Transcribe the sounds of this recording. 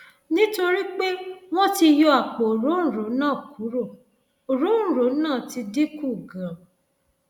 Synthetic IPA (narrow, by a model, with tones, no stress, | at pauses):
nĩ˦to˧ɾi˦k͡pe˦w̃ɔ̃˦ti˧jɔ˧a˨k͡po˨o˨ɾo˨˦ñ̩˦˨ɾo˨˦nãː˦˨ku˨˦ɾo˦˨ | o˨ɾo˨˦ñ̩˦˨ɾo˨˦nãː˦˨ti˧di˦ku˦˨ɡã˨